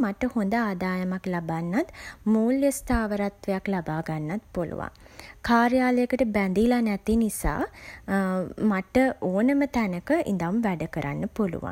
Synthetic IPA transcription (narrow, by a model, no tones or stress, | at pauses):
maʈəhond̪əaːd̪aːjəmaklabanːat̪muːljəst̪aːʋəɾat̪ʋejaklabaːɡanːat̪̚polṵʋa̰ŋ | kaːɾjaːləjəkəʈəbænd̪ilanæt̪inisa̰ː | maʈəoːnəmət̪ænəkəʔḭnd̪aumʋæɖəkəɾʔa̰nːəpolṵʋa̰n